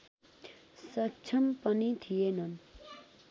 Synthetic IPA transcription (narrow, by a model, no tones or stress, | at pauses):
sɐk̚t͡ʃʰɐmpɐnit̪ʰijenɐn